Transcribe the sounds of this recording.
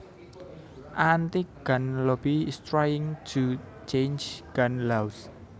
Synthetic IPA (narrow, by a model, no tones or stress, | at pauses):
ʔant̪iɡ̥anlɔbiɪst̪ɾajɪ̃ŋd͡ʒu | t͡ʃẽnd͡ʒɡ̥anlaws